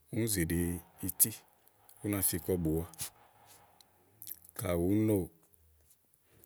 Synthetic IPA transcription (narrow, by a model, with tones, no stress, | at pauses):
u˦n˦ze˨ɖe˨i˧ti˦ | u˦nã˧˨fi˨˧˨kɔ˦bu˨wa˦ | ka˨wu˨˦no˦˨